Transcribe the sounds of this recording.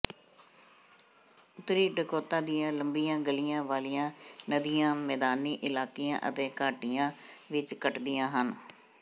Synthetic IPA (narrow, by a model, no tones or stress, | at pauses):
ʊt̪ɾiːɖəkoːt̪aːd̪ɪjãːləmbijãːɡəlijãːʋaːlɪjãːnəd̪ɪjãːmɛːd̪aːniːʔɪlaːkijã̰ːʔə̰t̪eːkaːʈɪjãːʋɪt͡ʃkəʈd̪ɪjãːɦən